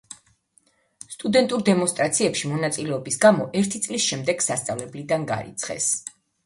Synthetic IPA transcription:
st̪ʼud̪ɛnt̪ʼuɾd̪ɛmɔnst̪ʼɾat̪sʰiɛpʃimɔnat̪sʼilɛɔbisɡamɔʔɛɾt̪ʰit̪sʼlisʃɛmd̪ɛɡ̥sast̪sʼavlɛblid̪anɡa̰ɾḭt̪sʰχɛ̰s

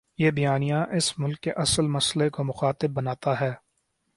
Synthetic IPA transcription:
jebɐjaːnijãʔɪsmʊlkːeʔɐsəlmɐslekomʊxaːt̪ɪbːɐnaːt̪aɦɛː

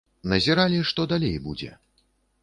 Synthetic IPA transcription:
nɐzʲɛɾalʲiʂt̪ɔd̪alʲejbṵd͡zʲɛ̰

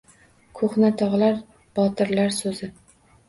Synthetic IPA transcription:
kʰoχnat̪ʰɒʁlaɾ | b̥ɒt̪ʰɪɾlaɾsɵzɪ

